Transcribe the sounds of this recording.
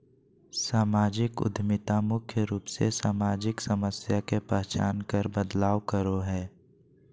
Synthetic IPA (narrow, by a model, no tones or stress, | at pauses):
saːmaːd͡ʒɪkʊ̰d̪ʱmɪt̪amʊkʰjəɾuːpsesaːmaːd͡ʒɪksəməsjakepɛɦt͡ʃa̰ːnkəɾbəd̪laːʋkəɾoɦɛː